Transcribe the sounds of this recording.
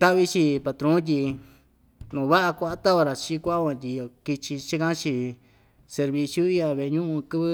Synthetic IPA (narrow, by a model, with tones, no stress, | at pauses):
t̪a˦βi˧t͡ʃi˧pa˧t̪ɾõ˦t̪̬ʲi˧ | nũ˨βa˦ʔa˧kʷa˧a˦t̪a˦o˧ɾa˨t͡ʃi˧˦kʷa˦ʔa˦kã˧t̪ʲi˧o˧˨ki˧t͡ʃi˧t͡ʃi˦kã˦t͡ʃi˧ | se˧ɾβi˧sju˦i˦a˧βe˧˨˧ɲũ˦ʔũ˧kɨ˦βɨ˦